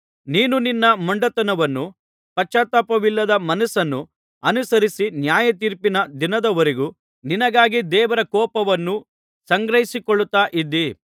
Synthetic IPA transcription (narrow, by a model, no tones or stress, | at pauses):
niːnuninːɐmɐɳɖɐt̪ɐnɐʋɐnːu | pɐt͡ʃːaːt̪apɐʋilːɐd̪ɐmɐnɐsɐnːu | ɐnusɐɾisinjaːjɐt̪iːɾpinɐd̪inɐd̪ɐʋɐɾiɡu | ninɐɡaːɡid̪ɛːʋɐɾɐkɔːpɐʋɐnːu | sɐŋɡɾɐɦisikɔɭːut̪aːʔid̪i